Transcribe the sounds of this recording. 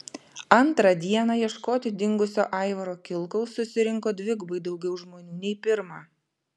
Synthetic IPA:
ɐnˑt̪ɾɑd̪ʲiɛnɑːjiɛʃkoːt̪ʲɪd̪ʲɪŋɡʊsʲoːʔɑˑɪʋɐɾoːkʲɪlˠˑkɐʊsːʊsʲɪɾʲɪŋkoːd̪ʲʋʲɪɡbɐɪd̪ɒʊɡʲɛʊʒmoːnʲuːnʲɛɪpʲɪɾmɑː

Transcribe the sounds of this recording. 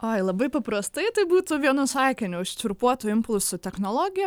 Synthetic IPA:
oːɪlˠɐbɐɪpɐpɾɐst̪ɐɪt̪ɐɪbuːt̪ʊʋʲiɛnʊsɑɪkʲɪnʲʊʊʃt͡ʃʲʊɾpuɔt̪ʊɪmpʊlʲˠsʊt̪ʲɛxnoːlˠoːɡʲɪjɛ

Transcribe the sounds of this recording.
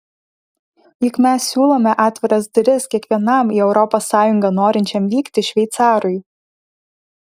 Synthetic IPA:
jɪkmʲɛsːʲuːlˠoːmʲɛʔɑːt̪ʲʋʲɪɾɐsd̪ʲɾʲɪskʲiɛkʋʲiɛnɐˑmiːɛʊɾɔposːɑːjʊŋɡɐnoːɾʲɪnʲt͡ʃʲɛmʋʲiːkt̪ʲɪʃʲʋʲɛɪt̪sɑːɾʊɪ

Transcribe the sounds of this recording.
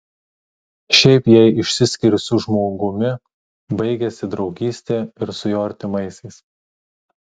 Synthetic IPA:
ʃʲɛɪpjɛɪɪʃʲsʲɪsʲkʲɪɾʲɪsʊʒmoːɡʊmʲɪ | bɐɪɡʲɛsʲɪd̪ɾɒʊɡʲiːsʲt̪ʲeːɪɾsʊjoːɐɾʲt̪ʲɪmɐɪsʲɛɪs

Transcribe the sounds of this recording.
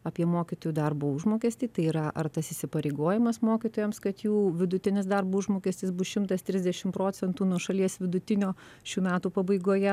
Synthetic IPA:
ɐːpʲiɛmoːkʲɪt̪oːjuːd̪ɐrboːʊʒmoːkʲɛːsʲt̪ʲiːt̪ɐɪiːɾɐʔɐ̰rt̪ɐsɪsʲɪpɐɾʲeɪɡoːjɪmɐsmoːkʲit̪oːjɛmskɐt̪juːʋʲɪd̪ʊt̪ʲɪnʲɪsd̪ɐrbuːʊʒmoːkʲɛsʲt̪ʲɪsbʊsʃʲɪmt̪ɐst̪ʲɾʲɪzʲd̪ʲɛʃʲɪmpɾoːt͡s̪ʲɛnt̪uːnuɔʃɐlʲiɛsʋʲɪd̪ʊt̪ʲɪnʲoː | ʃʲuːmʲæːt̪uːpɐbɐɪɡoːjɛ

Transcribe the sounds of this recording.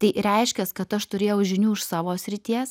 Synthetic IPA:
t̪ɐɪɾʲɛɪʃʲkʲɛskɐt̪ɐʃt̪ʊɾʲeːjɛʊʒʲɪnʲuːɪʃsɑːʋoːsʲɾʲɪt̪ʲiɛs

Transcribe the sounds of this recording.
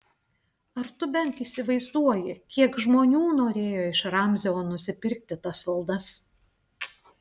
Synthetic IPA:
ɐɾt̪ʊbʲɛnt̪iːsʲɪʋɐɪzd̪uɔjɪkʲiɛkʒmoːnʲuːnoːɾʲeːjoːɪʃɾɑˑmʲzʲɛoːnʊsʲɪpʲɪɾʲk̚t̪ʲɪt̪ɐsʋɐlˠd̪ɐs

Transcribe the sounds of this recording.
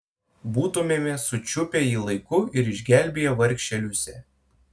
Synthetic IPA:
buːt̪umʲeːmʲɛsʊt͡ʃʲʊpʲɛiːlˠɐɪkʊɪɾɪʒʲɡʲæˑlʲbʲejɛʋɐɾʲkʃʲt͡ʃʲɛlʲʊsʲɛ

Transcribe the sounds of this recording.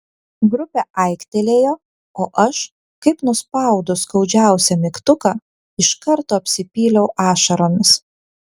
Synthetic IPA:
ɡɾʊpʲɛʔɐɪkt̪ʲelʲeːjoː | oːʔɐʃ | kɐɪpnʊspɐˑʊd̪ʊskɒʊd͡ʒʲæˑʊsʲɛmʲɪkt̪ʊkɐ | ɪʃkɐɾt̪oːɐpʲsʲɪpʲiːlʲɛʊʔɑːʃɐɾoːmʲɪs

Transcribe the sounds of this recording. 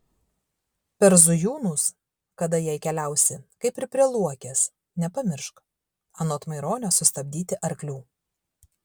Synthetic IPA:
pʲɛɾzʊjuːnus | kɐd̪ɐjɛɪkʲɛlʲæˑʊsʲɪkɐɪpɪɾpʲɾʲiɛlˠuɔkʲeːs | nʲɛpɐmʲɪɾʃk | ɐnoːt̪mɐɪɾoːnʲosʊst̪ɐbʲd̪ʲiːt̪ʲɪʔɐɾʲklʲuː

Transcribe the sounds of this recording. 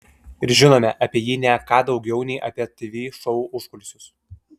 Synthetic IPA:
ɪɾʒʲɪnoːmʲɛʔɐpʲiɛjiːnʲɛkɑːd̪ɒʊɡʲɛʊnʲɛɪʔɐpʲiɛt̪ʲʋʲiːʃɔʊuːʔʊʃkʊlʲsʲʊs

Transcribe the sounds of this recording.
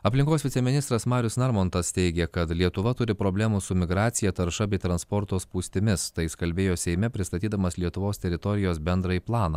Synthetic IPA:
ɐpʲlʲɪŋkoːsʋʲɪsʲɛmʲɪnʲɪst̪ɾɐsmɑːɾʲʊsnɐɾmoːnt̪ɐst̪ʲɛɪɡʲɛkɐt̪lʲiɛt̪ʊʋɐt̪ʊɾʲɪpɾoːbʲlʲæːmusʊmʲɪɡɾɑːt̪sʲɪjɛt̪ɐɾʃɐbʲɛɪt̪ɾɐnspɔɾt̪oːspuːsʲt̪ʲɪmʲɪst̪ɐɪskɐlʲbʲeːjoːsʲɛɪmʲɛpʲɾʲɪst̪ɐt̪ʲiːd̪ɐmɐslʲiɛt̪ʊʋoːst̪ʲɛɾʲɪt̪ɔɾʲɪjoːsbʲɛnd̪ɾɐiplˠɑːnɐ

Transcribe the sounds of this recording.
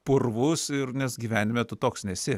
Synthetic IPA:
pʊrʋʊsɪrnʲɛsɡʲiːʋʲæːnʲɪmʲɛt̪ʊt̪oːksnʲɛsʲɪ

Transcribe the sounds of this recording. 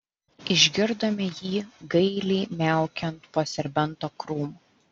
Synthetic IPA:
ɪʒʲɡʲɪɾd̪ɐmʲɪjiːɡɐɪlʲɛɪmʲæˑʊkʲɛnt̪poːsʲɛɾʲbʲɛnˑt̪oːkɾuːmː

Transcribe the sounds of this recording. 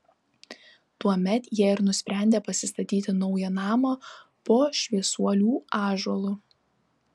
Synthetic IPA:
t̪uɔmʲɛt̪jiɛɪɾnʊsʲpʲɾʲæˑnʲd̪ʲeːpɐsʲɪst̪ɐt̪ʲiːt̪ʲɪnɔʊjɛnɑːmɐpoːʃʲʋʲiɛsuɔlʲuːɑːʒɔlˠʊ

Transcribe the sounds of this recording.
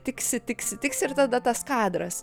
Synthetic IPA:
t̪ʲɪksʲɪt̪ʲɪksʲɪt̪ʲɪksɪɾt̪ɐd̪ɐt̪ɐskɑːd̪ɾɐs

